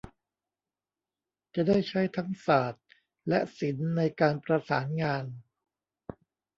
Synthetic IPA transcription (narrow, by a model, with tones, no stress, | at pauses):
t͡ɕa˨˩daː˥˩jt͡ɕʰa˦˥jt̪ʰa˦˥ŋsaː˨˩t̪̚ | lɛ˦˥si˩˦nːa˧jkaː˧npɾa˧saː˩˦nŋaː˧n